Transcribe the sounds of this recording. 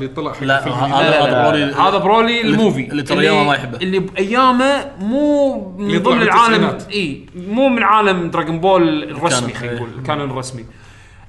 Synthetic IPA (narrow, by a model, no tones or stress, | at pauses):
t̪ˤːɑlɑʔħafɾolhaːðabɾoːlilmuːvijamamajħɪbːʔɪlːibʔajːaːmamuːmɪðˤɨmːnəlʕaːlamːʔiːmuːmɪnʕaːlamd̪ɾaːɡɪnboːlrrˤɑsmixaːjɡuːl̰kaːnnrˤːɑsmi